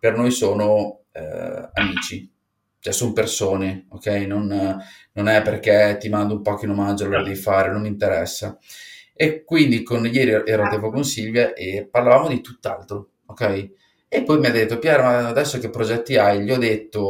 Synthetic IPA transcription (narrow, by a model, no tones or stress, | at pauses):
pernojsoːno̰ | a̰miːt͡ʃi | t͡ʃɛsonopersoːneokːɛjnon | nonɛpːerk̟et̪ːimand̪oumpɔkinomad͡ʒoalːoːɾad̪ɛvifaːɾenonint̪eɾɛsːa | ekːwind̪ikonjɛːɾiʔɛːɾat̪ɛpokonsilvjaʔeparlavaːmod̪it̪ut̪ːalt̪ɾo | okːɛj | epːɔjmiad̪ːet̪ːopjaːɾamaːd̪ɛsːokepːɾod͡ʒɛt̪ːiajʎiɔd̪et̪ːo